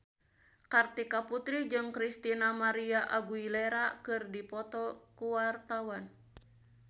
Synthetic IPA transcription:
kart̪ikaput̪ɾid͡ʒɨŋkɾist̪inamaɾiaʔaɡuilɛɾakɨrdipɔt̪ɔkuwart̪awan

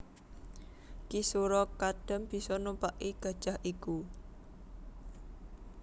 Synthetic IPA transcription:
kisuɾɔkaɖ̥ə̤mb̥i̤sɔnupaʔiɡ̥a̤̥ʒ̥a̤hʔiku

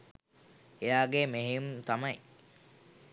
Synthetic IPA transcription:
ejaːɡemeɦeumt̪amɐj

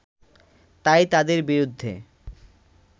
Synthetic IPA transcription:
t̪ajt̪ad̪eɾbiɾud̪ʱːḛ

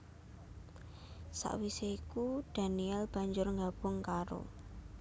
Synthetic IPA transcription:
sa̰ʔwiseikud̥a̤niɛlb̥a̤ɲd͡ʒʊrŋɡab̥ʊŋkaɾo̰

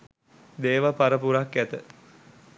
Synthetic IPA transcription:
d̪eːʋapaɾəpuɾakːæt̪ə

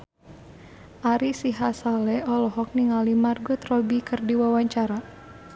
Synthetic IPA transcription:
ʔaɾisiɦasalɛɔlɔɦɔk̚niŋalimarɡʊt̪rɔbikɨrdiwawaɲt͡ʃaɾa

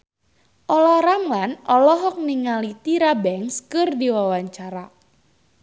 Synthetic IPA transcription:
ʔɔlɔɾaŋlanɔlɔɦɔk̚niŋalit̪iɾabɛŋskɨrdiwawaɲt͡ʃaɾa

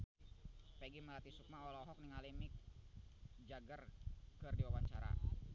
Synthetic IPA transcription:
pɛɡiməlat̪isuk̚maɔlɔɦɔk̚niŋalimik̚ | d͡ʒaɡərkɨrdiwawaɲt͡ʃaɾa̰

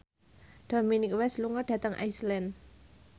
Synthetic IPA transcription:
d̪̥ɔminikwɛsluŋəd̥ä̤t̪əŋʔa̰jslɛn

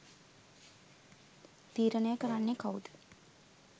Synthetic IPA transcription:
t̪iːɾənəjəkəɾanːekaud̪ə̥

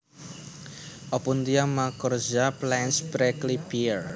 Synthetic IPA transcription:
ʔɔpunt̪iamakɔrzaplɛnsbɾɛklipir

